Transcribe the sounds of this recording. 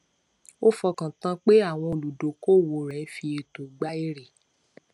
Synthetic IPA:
o˦fɔ˧kã˨tã˧k͡pe˦a˦˨w̃ɔ̃˧o˨lu˨do˨ko˦˨wo˨ɾɛ̃˨˦fi˧e˨to˨ɡ͡ba˦i˦ɾe˨

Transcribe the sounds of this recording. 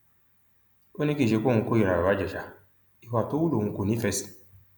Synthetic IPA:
o˦ni˦ki˦˨ʃe˧˦ko˦˨ŋũ˧ko˦i˨ɾa˨o˨a˨˦d͡ʒɛ˨ʃa˨ | i˨wa˨to˦wu˦lo˨ŋũ˨˧ko˨nĩ˨˦fɛ˦˨st

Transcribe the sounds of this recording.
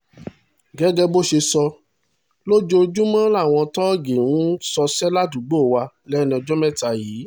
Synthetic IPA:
ɡɛ˨˦ɡɛ˦bo˦ʃe˧sɔ˧ | lo˦d͡ʒo˦˧d͡ʒũ˦mã˦la˦˨w̃ɔ̃˧tɔ˦ɡe˨w̃ũ˦sɔ˧sɛ˦la˦du˨ɡ͡bo˦˨wa˧ | lɛ˦˨nĩ˧ɔ˧d͡ʒɔ˦mɛ̃˦˨ta˧jiː˨˦

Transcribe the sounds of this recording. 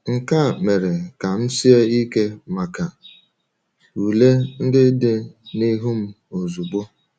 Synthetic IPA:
ŋ̩˨ka˦˨me˨ɾe˨ka˨m̩˦si˦e˦i˦ke˦ma˨ka˨ | u˨le˦n̩˦dɪ˦dɪ˨ni˦ɦu˦m̩˦ | o˨zu˨ɡ͡bo˦

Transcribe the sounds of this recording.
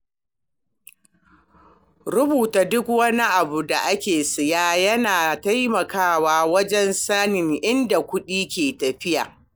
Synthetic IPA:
ɾʊ˦buː˨taː˨dʊ˦kwɐ˦ni˦ʔa˨bu˨da˨ʔa˦kʲeː˨sɪ˨jaː˦jɐ˦naː˨ta˦jmɐ˨kaː˦waː˦wɐ˦d͡ʒɛ˦nsa˦nɪ˨ŋʔɪ˦nda˨kʷʊ˦ɗiː˦kʲeː˨tɐ˨ɸɪ˦ja˨

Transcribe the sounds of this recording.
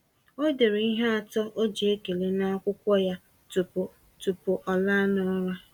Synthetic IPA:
o˦de˨ɾe˨i˦ɦa˦a˨tɔ˦ʔo˦d͡ʒi˨e˦ke˨le˨na˦a˦kʷʊ˦kʷɔ˦ja˦ | tu˨pʊ˨ | tu˨pʊ˨ʔɔ˨la˦nɔ˦ɔ˦ɾa˦

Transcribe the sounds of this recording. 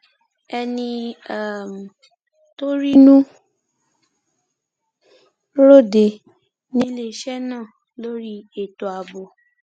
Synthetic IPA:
ɛ˧nĩ˧a˦˨m˨ | to˦ɾi˦nũ˦ | ɾo˦˨de˨ | nĩ˦le˨ʃɛ˦nãː˦˨ | lo˦ɾi˦e˦˨to˨a˨bo˨

